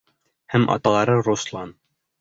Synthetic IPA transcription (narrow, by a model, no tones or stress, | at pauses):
hæmʔɑ̰t̪ɑlˠɑɾɤɾuslˠɑn